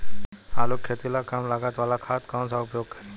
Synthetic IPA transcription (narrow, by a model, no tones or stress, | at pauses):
aːlokʰːet̪ilakaːmlaːɡat̪ʋaːlakʰaːt̪kaõnsaʊpjoːɡ̚kɐɾeː